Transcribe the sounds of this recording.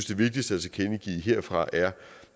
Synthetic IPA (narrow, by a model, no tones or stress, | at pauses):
sd̥e̝ʋe̝ɡ̥̚d̥isd̥əæsækʰenəɡ̥ḭːɦe̝ɐ̰fʁɑ̈ʔæɐ